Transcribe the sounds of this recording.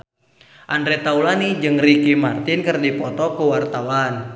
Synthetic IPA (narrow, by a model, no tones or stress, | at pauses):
ʔandɾɛt̪aulanid͡ʒɨŋrikimart̪ɪnkɨrdipɔt̪ɔkuwart̪awan